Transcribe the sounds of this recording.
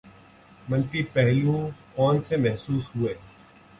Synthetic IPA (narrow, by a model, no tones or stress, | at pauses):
mɐnfiːpɛɦlũkɔːnsemɛɦsuːsɦʊeː